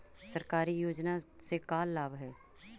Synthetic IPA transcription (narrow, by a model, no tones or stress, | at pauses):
sɐɾkaːɾijoːd͡ʒnasekaːlːaːbɦɛː